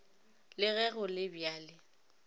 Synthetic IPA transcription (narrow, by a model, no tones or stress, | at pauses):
lɪɣɛɣʊlɪbjaːlɪ